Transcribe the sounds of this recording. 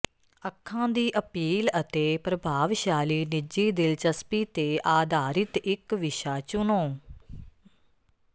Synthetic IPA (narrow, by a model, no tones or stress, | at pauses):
əkʰːãːd̪iːʔəpiːlət̪eːpɾəbʱaːʋʃaːliːnɪd͡ʒiːd̪ɪlt͡ʃəspiːt̪eːʔaːd̪ʱaːɾɪt̪ɪkʋɪʃaːt͡ʃʊnõː